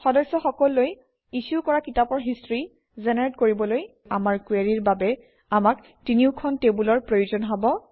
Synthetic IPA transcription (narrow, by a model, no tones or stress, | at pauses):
xɔdɔsɔxɔkɔlːoj | isukɔɹakitapɔɹɦistɹi | zɛneɹetkoɹibɔloj | amaɹkweɹiɹbabɛ | amak | tiniʊkʰɔntebulɔɹpɹojuzɔnɦabɔ